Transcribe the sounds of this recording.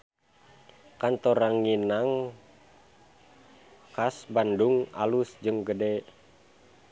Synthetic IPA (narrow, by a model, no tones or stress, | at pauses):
kant̪ɔɾaŋːinaŋ | kasbanduŋa̰lusd͡ʒɨŋɡədɛ